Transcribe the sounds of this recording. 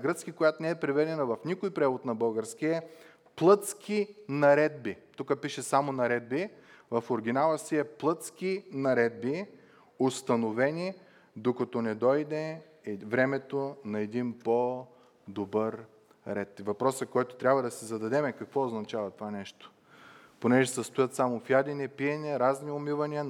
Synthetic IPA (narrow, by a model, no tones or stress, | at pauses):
ɡɾət̪skikojat̪onɛɛpɾɛvɛd̪ɛnɐvɐfnikojpɾɛvot̪nɐbɤlˠɡəɾskiɛ | plˠɤt̪skʰinɐɾɛd̪̚bit̪ukəpiʃɛsamonɐɾɛd̪̚bivɐfoɾɡ̟ʲinalˠəsiɛplˠɤt̪skinɐɾɛd̪̚bi | ost̪ɐnovɛnʲi | d̪okɐt̪ɔnɛd̪ɔjd̪ɛ | vɾɛmɛt̪onɐɛd̪inpo | d̪obəɾ | ɾɛt̪vɐpɾɔsəkɔjt̪o̥t̪ɾʲabvɐd̪ɐsizɐd̪ɐd̪ɛmɛkɐkvɔoznɐt͡ʃavɐt̪ovanɛʃt̪o̥ | ponɛʒɛsəst̪ʊjət̪samofjad̪ʲinɛpiɛnʲɛɾazniomivɐniə